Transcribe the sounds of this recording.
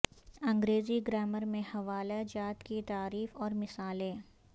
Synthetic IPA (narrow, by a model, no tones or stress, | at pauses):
ɐ̃ŋɡɾeːziɡɾɛːməɾmẽhɐʋaːlad͡ʒaːt̪kit̪aːɾiːfɔːɾmɪsaːlẽː